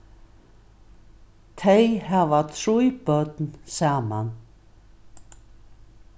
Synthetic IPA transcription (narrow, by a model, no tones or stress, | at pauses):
t̪ʰejhaːvat̪ʰɾujpœt̪nsaːman